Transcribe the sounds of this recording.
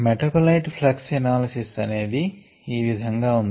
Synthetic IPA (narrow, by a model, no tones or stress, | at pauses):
meʈɐpɐlɐjʈpʰlɐksɐnaːlɐsisɐne̞ːd̪i | iːʋid̪ʱɐŋɡaːund̪i